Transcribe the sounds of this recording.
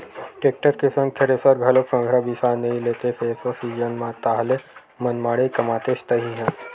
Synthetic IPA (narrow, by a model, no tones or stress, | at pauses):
ʈek̚ʈəɾkisə̃ŋkʰəɾesəɾɡʱələksə̃ŋɡʱɾabisaneilet̪efesosid͡ʑənmat̪aɦle | mənmaɽekəmat̪eɕt̪əɦiɦẽ